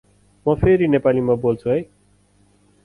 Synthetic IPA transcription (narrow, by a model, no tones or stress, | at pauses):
mʌpʰeɾinepalimabolt͡sʰuɦʌj